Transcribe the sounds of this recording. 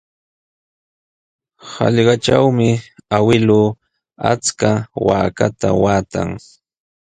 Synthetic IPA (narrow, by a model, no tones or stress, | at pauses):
hɑ̰ʎɢɑʈ͡ʂawmɪawɪlʊː | a̰t͡skawaːkat̪a̰waːt̪a̰ŋ